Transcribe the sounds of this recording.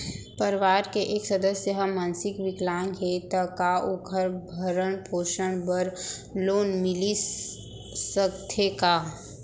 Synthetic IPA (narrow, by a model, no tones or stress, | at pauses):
pəɾʋaːɾkeʔeːksəd̪əsjəɦəmãːnsɪkʋɪklaːẽŋɡet̪əkaʊɡʱəɾbʱəɾəɳpʰoːʃəɳbəɾloːnmɪli | səkt̪ʰekaː